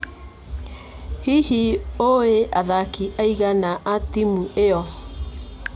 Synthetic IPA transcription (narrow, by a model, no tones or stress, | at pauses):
hihioeʔaðakiʔaiɣanaʔatimuʔeɔ